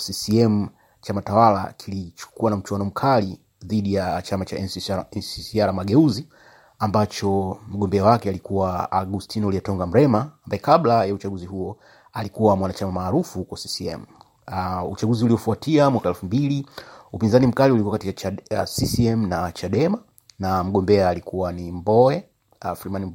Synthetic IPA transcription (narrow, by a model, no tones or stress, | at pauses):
sisiɛmu | t͡ʃamatawala̰kʰilit͡ʃu̥kuwanam̩t͡ʃwanɔm̩kʰali | ðiɗijat͡ʃamat͡ʃaɛnsisiaɾamaɠɛuzi | ambat͡ʃɔm̩ɠɔmbɛawakɛalikuwaa̰ɡustʰinulijɛtɔŋɡam̩ɾɛmaːmbaɛkaɓlajaut͡ʃaɡuziɦuɔ | alikuwamwanat͡ʃamamaːɾufukwasisiɛ̰mu | ut͡ʃaɡuziuliɔfuatʰiamwakaɛlfumbiliupinzanim̩kaliulikuwakatikasisiɛm̩nat͡ʃaɗɛma | nam̩ɠɔmbɛaːlikuwanimbɔɛ | afɾimani